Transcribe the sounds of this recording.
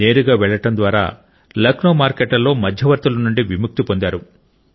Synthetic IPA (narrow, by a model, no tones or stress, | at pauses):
e̞ːɾuɡaːʋɛɭːɐʈɐnd̪ʋaːɾa̰ː | lɐknoːmaːɾkeːʈlɐlːo̞ːmɐd̪ʱjɐʋɐɾt̪ulɐnuɳɖiʋimuk̚t̪ipond̪aːɾu